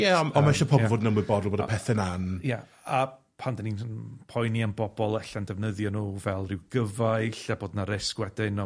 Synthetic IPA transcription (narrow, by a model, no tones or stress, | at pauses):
jɛɔɔmaʃɔpʰɔbɔvoːdnəmwɪbɔdɔlˠboːdəpʰɛθɛnanja | a | pʰandaninnpʰɔjnianbɔbɔlˠɛɬandɛvnəðjɔnuːvɛlˠrɪwɡ̥əvajɬaboːdnaɾɪskwɛdɪnɔ